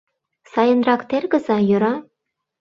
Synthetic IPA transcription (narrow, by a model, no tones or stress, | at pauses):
sɑjɤ̆nrɑkt̪erɡɤ̆zɑjɤ̆ɾɑ